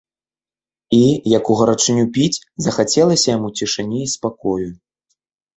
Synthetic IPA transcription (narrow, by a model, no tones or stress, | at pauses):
ijɐkuɣɐɾat͡ʂɨnʲupʲit͡sʲ | zɐxat͡sʲɛlˠɐsʲɐjamut͡sʲiʂɨnʲiːspakɔju